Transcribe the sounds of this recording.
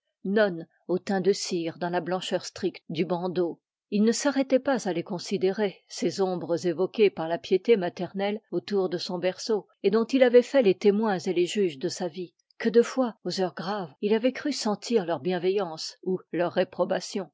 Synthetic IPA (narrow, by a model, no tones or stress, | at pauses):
nɔn | ot̪ɛ̃d̪əsiʁd̪ɑ̃lablɑ̃ʃœʁst̪χik̚t̪d̪ybɑ̃d̪o | ilnəsaʁɛt̪ɛpazalekɔ̃sid̪eʁesezɔ̃bʁəzevɔkʲepaʁlapjet̪emat̪ɛʁnɛlot̪uʁd̪əsɔ̃bɛʁso | ed̪ɔ̃t̪ilavɛfɛlet̪emwɛ̃zeleʒyʒd̪əsavi | kəd̪əfwaozœʁɡʁavilavɛkχysɑ̃t̪ʰiʁlœʁbjɛ̃vɛjɑ̃sulœʁːepχɔbasjɔ̃